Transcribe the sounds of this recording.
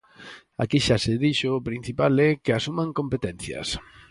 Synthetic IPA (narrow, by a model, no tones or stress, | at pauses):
a̰kiʃasɪðiʃʊːpɾin̟θipalɛkeasumaŋkompet̪ɛn̟θjɐ̰s